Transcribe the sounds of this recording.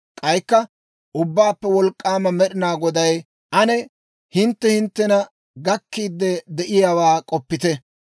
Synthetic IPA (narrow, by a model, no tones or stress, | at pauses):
kʼɐjkːɐ | ʔʊbːaːpːɛwɔlkʼːaːmɐmɛɗɪnaːɡɔd̪ɐj | ʔɐnɛ | hɪnt̪ːɛhɪnt̪ːɛnɐ | ɡɐkːiːd̪ːɛd̪ɛʔɪjaːwaːkʼɔpːɪt̪ɛ